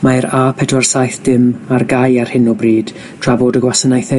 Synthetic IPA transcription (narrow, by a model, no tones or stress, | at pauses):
maɾapʰɛdwarsajθd̥ɪmarɡajar̥hɪnɔbriːd̥ | tʰr̥avoːdəɡwasənajθɛ